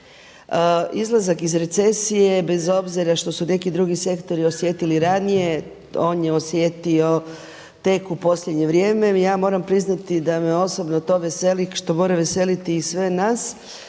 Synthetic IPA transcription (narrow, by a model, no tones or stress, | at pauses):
əizlˠazakizɾe̞t̪se̞sije̞be̞zo̞bziɾaʃt̪o̞sune̞kid̪ɾuɡise̞kt̪o̞ɾio̞sje̞t̪iliɾanije̞ | o̞ːnjeosje̞t̪io̞ | t̪e̞kupo̞slʎʲed̪ɲe̞ʋɾjeːme̞jaːmo̞ːɾampɾiznat̪id̪ameo̞so̞bnot̪o̞ːʋe̞se̞likʃt̪o̞mo̞ːɾaʋe̞se̞lit̪iːsʋe̞nas